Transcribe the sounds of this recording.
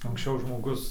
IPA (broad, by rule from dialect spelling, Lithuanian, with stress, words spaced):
ɐŋksʲˈt͡ʃʲɛʊ ʒmoːˈɡʊs